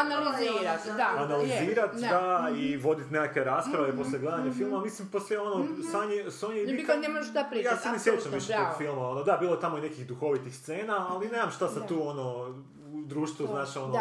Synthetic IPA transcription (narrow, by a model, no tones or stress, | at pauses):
analiziːɾat̪d̪aanaliziːɾat̪d̪aiʋo̞d̪it̪nekakʋe̞ɾaːspɾaʋeposljeɡle̞d̪aɲafilˠmamisimposlʲjeo̞nosaɲisoɲeikanemoʃt̪apɾijaːseanisjet͡ʃamʋiʃet̪oɡfilˠmao̞nod̪abiːlˠojet̪amoine̞kixd̪uxo̞ʋit̪ixst̪se̞ːnaalˠineːzamʃt̪asat̪uːo̞no | ud̪ɾuːʃt̪ʋuznaːt͡ʃono